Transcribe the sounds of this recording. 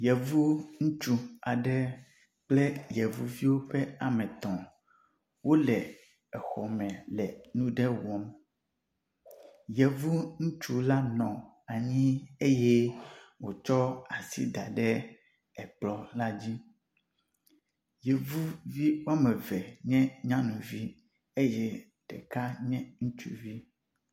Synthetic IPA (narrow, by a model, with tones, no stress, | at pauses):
jɛ˨vu˦ŋũ˦t͡ʃu˦a˨ɖɛ˦ | k͡plɛ˦jɛ˨vu˦vi˦wo˦ɸɛ˦a˨mɛ̃˨t̪ɔ̃˨ | wo˦lɛ˨ | ɛ˨xɔ˨mɛ̃˨lɛ˨nũ˦ɖɛ˦wɔ˦m | jɛ˨vu˦ŋũ˦t͡ʃu˦la˦nɔ̃˨ | a˨ɲĩ˦e˦je˦wo˨t͡ʃɔ˦a˨sḭ˦d̪a˨ɖɛ˦ | ɛ˨k͡plɔ˦la˦d͡ʑi˦ | jɛ˨vu˦vi˦wa˦mɛ˨vɛ˨ɲɛ̃˦ɲã˦nũ˨vi˦ | e˦jɛ˦ | ɖ̥ɛ̰˨ka˦ɲɛ̃˦ŋũ˦t͡ʃṵ˦vi˦